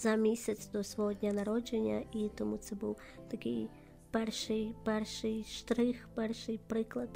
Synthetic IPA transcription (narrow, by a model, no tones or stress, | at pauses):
z̥ɐmʲisʲɐt̪sd̪ɔsʋɔɦɔd̪ʲnʲɐnaɾɔd͡ʒenʲːɐ̰ʔit̪ɔmut̪sɛbuw | t̪ɐkʲɪ̰j | pɛrʃɨjpɛrʂɨjʂt̪ɾɪxpɛrʂɨjpɾɪklˠɐt̪